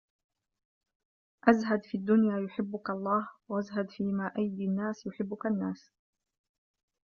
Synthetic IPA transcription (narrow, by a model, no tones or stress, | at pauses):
ʔazɦad̪fiːad̪ːʊnjaːjʊħɪbːʊkaɑlˤːɑːhwaʔazɦad̪fiːmaːʔajd̪ianːaːsjʊħɪbːʊkanːaːs